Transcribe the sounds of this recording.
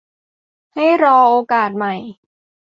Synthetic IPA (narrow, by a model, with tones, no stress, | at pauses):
ha˥˩jɾɔː˧ʔoː˧kaː˨˩t̪̚ma˨˩j